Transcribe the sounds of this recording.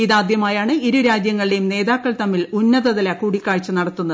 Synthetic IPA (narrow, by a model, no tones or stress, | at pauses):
iðaːd̪jɐmaːjaːɳɨiɾuɾaːd͡ʑjɐŋːɐɭɖejumne̞ːðaːkːɐɭt̪ɐmːilunːɐðɐðɐlɐkuːɽikʲːaːɻt͡ɕːɨnɐɽɐt̪ːunːɐð